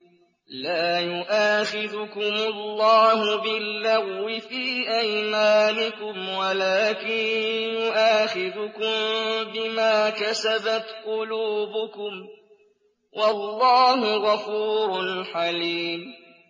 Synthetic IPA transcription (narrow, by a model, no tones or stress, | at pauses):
laːjʊʔaːxɪðʊkʊmʊlːɑːɦʊbɪlːaɣːɪfiːʔajmaːnɪkʊmwalaːkɪnjʊʔaːxɪðʊkʊmbɪmaːkasabat̪qʊluːbʊkʊm | wʔɑlːɑːɦʊɣafuːɾʊlħaliːm